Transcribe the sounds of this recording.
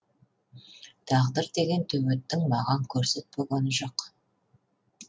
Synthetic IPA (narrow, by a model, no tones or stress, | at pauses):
t̪ʰɑʁd̪əɾd̪e̞ɡʲe̞nt̪ʰɵwet̪ːɪŋmɑʁɑŋkʲʰɵɾset̪̚boʁɑnəʒoq